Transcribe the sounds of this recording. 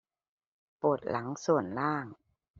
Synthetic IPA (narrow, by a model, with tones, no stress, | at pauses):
po˨˩t̪̚lʔa˩˦ŋsu˨˩ənlaː˥˩ŋ